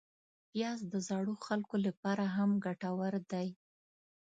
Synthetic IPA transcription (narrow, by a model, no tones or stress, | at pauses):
pjɑsd̪əzɑɽuxalkolapɑɾaɦamɡaʈawaɾd̪aj